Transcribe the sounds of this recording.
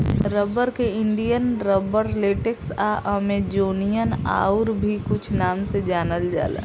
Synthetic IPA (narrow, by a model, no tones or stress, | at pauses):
ɾəbəɾkeɪɳɖijənɾəbəɾleʈɪksaʔəmed͡ʒoːnijəna̰ːuɾbʱikʊt͡ʃʰnaːmsed͡ʒaːnəld͡ʒa̰ːlḛ